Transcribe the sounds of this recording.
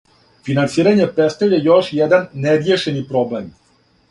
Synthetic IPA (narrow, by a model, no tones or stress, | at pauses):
finant̪siːɾaɲepest̪evjejoʃjɛd̪anːeɾjeʃenipɾoblem